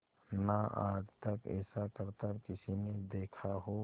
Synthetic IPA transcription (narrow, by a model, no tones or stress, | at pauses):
naa̰ːd͡ʒt̪əkɛ̰ːsakəɾt̪əɾkɪsined̪eːkʰaɦo